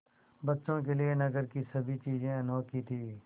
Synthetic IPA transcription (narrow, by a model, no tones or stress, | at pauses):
bɐtːʃõk̬elienɐɡəɾkisɐbʱit͡ʃiːzẽɐnoːkit̪ʰiː